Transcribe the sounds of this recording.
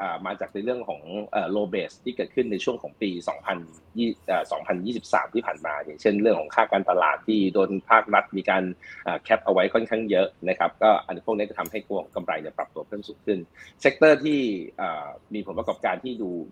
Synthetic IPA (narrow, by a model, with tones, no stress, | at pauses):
ʔaː˨˩maː˧t͡ɕaː˨˩k̚na˧jɾɯ˥˩əŋkʰɔː˩˦ŋʔaː˨˩loː˧beː˨˩st̪ʰːiː˥˩kɤː˨˩t̪̚ʰɯ˥˩nːa˧jt͡ɕʰu˥˩əŋkʰɔː˩˦ŋpiː˧sɔ̰ː˩˦ŋpʰa˧n | jːʔaː˨˩sɔː˩˦ŋpʰa˧njiː˥˩si˨˩p̚sa̰ː˩˦mt̪ʰiː˥˩pʰaː˨˩nmaː˧ja˨˩˦ŋt͡ɕʰe˥˩nɾɯ˥˩əŋkʰɔː˩˦ŋkʰaː˥˩kaː˧nt̪a˧la̰ː˨˩t̪ʰːiː˥˩doː˧jnpʰaː˥˩k̚ɾa˦˥t̪̚miː˧kaː˧nʔaː˨˩kʰɛ˦˥p̚ʔa˧wa˦˥jkʰɔ˥˩nkʰa˥˩ŋjɤ˦˥ʔna˦˥kʰa˦˥p̚kɔː˥˩ʔa˧nʰ˥u˥˩kniː˦˥t͡ɕɔ˥˩t̪ʰa˧mha˥˩jku˧˥ka˧mɾa˧jni˥˩ɐpɾa˨˩p̚t̪u˧ɐpʰɤː˥˩msuː˩˦ŋkʰɯ˥˩nse˦˥k̚t̪ɤː˥˩t̪ʰiː˥˩ʔaː˨˩miː˧pʰo˩˦npɾa˧kɔː˨˩p̚kaː˧nt̪ʰiː˥˩duː˧